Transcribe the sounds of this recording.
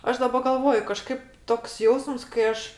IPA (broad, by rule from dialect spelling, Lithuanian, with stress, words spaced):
ˈɐʃ dɐˈbɐ ɡɐlˠˈʋoːjʊ kɐˈʃkɐɪp toːks ˈjɛʊsms kɐɪ ˈɐʃ